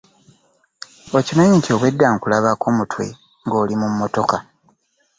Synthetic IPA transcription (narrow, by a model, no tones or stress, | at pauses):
ocimaɲiɲco̞βwe̞dːaŋkulaβako̞ːmutwe̞̰ | ŋɡo̞ːlimumːo̞to̞ka